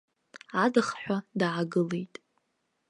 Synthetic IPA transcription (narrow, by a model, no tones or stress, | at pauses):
adɨχħʷᶣadʕaɡɨle̞jtʼ